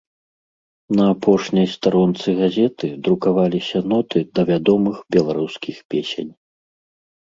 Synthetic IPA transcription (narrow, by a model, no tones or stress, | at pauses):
nɐːpɔʂnʲɐjst̪aɾɔnt̪sɨɣazʲɛt̪ɨd̪ɾukavalʲisʲɐnɔt̪ɨd̪ɐvʲad̪ɔmɨxbʲɛlˠaɾuskʲixpʲesʲḛnʲ